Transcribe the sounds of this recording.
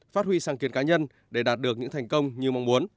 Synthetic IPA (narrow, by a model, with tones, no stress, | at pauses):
faː˦˥t̚hwi˧saː˧˩ŋki˨ənkaː˨˦ɲə˧n | ɗe˧˩ɗaː˨˩t̚ɗɨ˨˩ək̚ɲɨ̰˧˥ŋt̪ʰa˨˩jŋ̟kə˧wŋ͡mɲɨ˧ma˧wŋ͡mmu˨˦ən